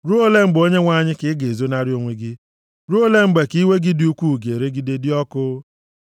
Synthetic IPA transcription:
ɾu˦o˦le˦ŋ͡m̩˦ɡ͡bo˦ɲe˦ŋʷa˨ɲɪ˦kɪ˦ɡe˨e˨zo˦na˦ɾɪ˦o˨ŋʷe˨ɡɪ˦ | ɾu˦o˦le˦ŋ͡m̩˦ɡ͡be˨ki˦we˦ɡi˦di˦u˦kʷu˦˨ɡe˨ɾe˦ɡi˦de˦dɪ˦ɔ˦kʊ˦

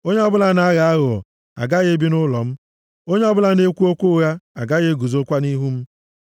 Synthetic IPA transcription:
o˦ɲe˦ɔ˦bʊ˦la˦na˨a˦ɣa˨a˦ɣʊ˨ | a̰˨ɡa˦ɣe˦bi˦nʊ˦lɔ˨m̩˦ | o˦ɲe˦ɔ˦bʊ˦la˦ne˦kʷu˦o˦kʷu˦ɣa˦a̰˨ɡa˦ɣe˦ɡu˨zo˦kʷa˦ni˦ɦu˦m̩˦

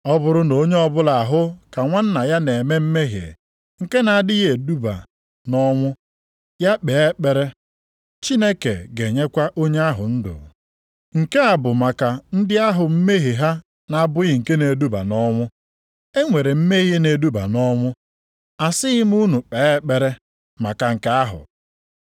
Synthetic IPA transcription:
ɔ˦bʊ˦ɾʊ˦no˨˦ɲe˦ɔ˦bʊ˦la˨ɦʊ˦ka˨ŋʷa˦n̩˦na˨ja˦ne˨me˦m̩˦me˦ɦjḛ˨ | ŋ̩˨ke˦na˨dɪ˦ɣe˨du˦ba̰˨ | nɔ˦ŋʷʊ˦ | ja˦k͡pe˨e˦k͡pe˨ɾe˦ | t͡ʃi˦ne˦kḛ˨ɡe˨ɲe˦kʷa˦ʔo˦ɲe˦a˦ɦʊ̰˨n̩˦dʊ̰˨ | ŋ̩˨ke˦a˨bʊ˨ma˨ka˨n̩˦dɪ˦a˦ɦʊ˨m̩˦me˦ɦi˨ɦa˦ | na˨a˨bʊ˦ɣɪ˦ŋ̩˨ke˦ne˨du˦ba̰˨nɔ˦ŋʷʊ˦ | e˦ŋʷe˨ɾe˨m̩˦me˦ɦje˦ne˨du˦ba̰˨nɔ˦ŋʷʊ˦ | a˨sɪ˦ɣɪ˦m˦u˦nu˨k͡pe˨˦e˦k͡pe˨ɾe˦ | ma˨ka˨ŋ̩˨ka˦a˦ɦʊ̰˨

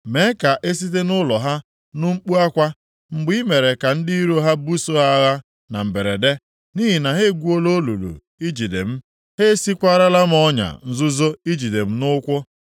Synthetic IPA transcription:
me˨˦ka˨ʔe˦s̬i˦te˦nʊ˦lɔ˨ɦa˦ | nʊ˦ŋ͡m̩˦k͡pu˦a˦kʷa˦ | ŋ͡m̩˨ɡ͡bi˦me˨ɾe˨ka˨n̩˦di˦i˦ɾo˦ɦa˦bu˦so˦ɦa˦ɣa˦ | na̰˨m̩˨be˨ɾe˨de˦ | ni˦ɦi˨na˨ɦe˦ɡʷu˦o˦lo˦lṵ˨lṵ˨ | i˦d͡ʒi˨dḛ˨m̩˦ | he˦si˦kʷa˦ɾa˦la˦m̩˦ɔ˦ɲa̰˨n̩˦zʊ˦zo˦i˦d͡ʒi˨de˨m̩˦nʊ˦kʷʊ˦

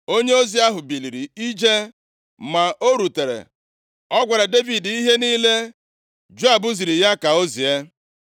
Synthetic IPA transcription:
o˦ɲe˦o˦zi˨a˦ɦʊ˨bi˨li˨ɾi˨i˦d͡ʒe˦ | ma˨ʔo˦ɾu˨te˨ɾḛ˨ | ɔ˦ɡʷa˨ɾa˨de˦vi˨di˦ɦe˦niː˦le˦ | d͡ʒu˦a˨bʊ˦zi˨ɾi˨ja˦ka˨o˦zi˨e˦

